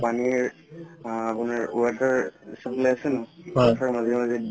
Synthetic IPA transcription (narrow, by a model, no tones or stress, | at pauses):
paniɹ | apunaɹuataɹisapleasɛnɔatʰaɹmazimazi